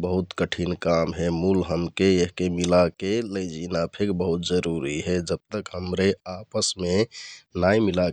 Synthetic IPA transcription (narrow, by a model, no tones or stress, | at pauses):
bəɦut̪kəʈʰinkamɦɛmulɦəmkeeɦkemilakeləd͡ʒinapʰekbəɦut̪d͡ʒəɾuɾiɦed͡ʒəb̚t̪əkɦəmɾeapəsmenajmila